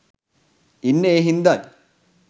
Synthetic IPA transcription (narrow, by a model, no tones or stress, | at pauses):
inːeːɦind̪aj